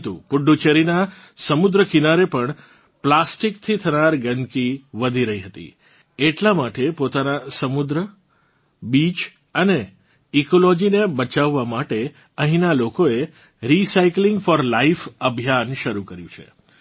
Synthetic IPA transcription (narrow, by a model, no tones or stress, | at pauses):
t̪ṵpʊɖːut͡ʃeɾina | səmud̪ɾəkinaɾepəɳ | plasʈikt̪ʰit̪ʰənaɾɡənkiʋəd̪ʱiɾəɦiɦət̪ḭ | eʈlamaʈepot̪anasəmud̪ɾə | bit͡ʃ | əne | ikolɔd͡ʒinebət͡ʃaʋːamaʈe | ə̃ɦĩnalokoe | ɾisaikliŋɡfɔɾlaifəbʱjanʃəɾukəɾjũt͡ʃʰḛ